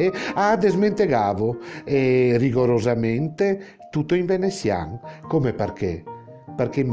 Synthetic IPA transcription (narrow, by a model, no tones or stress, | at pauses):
ead̪ezment̪eɣaːvoɛriɣoɾozament̪e | t̪ut̪ːoiɱvenesja̰ŋkomepaɾkḛ | peɾkem